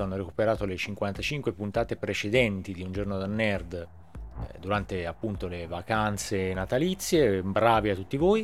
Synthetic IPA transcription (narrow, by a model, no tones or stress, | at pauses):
anːoɾekupeɾaːt̪olet͡ʃiŋkwant̪at͡ʃiŋkwepunt̪aːt̪epɾet͡ʃed̪ɛnt̪id̪iund͡ʒornod̪anːɛrd̪ | d̪uɾant̪eapːunt̪olevakant̪senat̪alit̪sːjebɾaːviat̪ːut̪ːivoːi